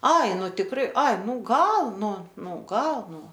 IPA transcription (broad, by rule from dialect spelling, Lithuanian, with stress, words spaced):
ˈɐɪ ˈnʊ tʲɪkˈrɐɪ ˈɐɪ ˈnuː ˈɡɐlˠ ˈnʊ ˈnuː ˈɡɐlˠ ˈnuː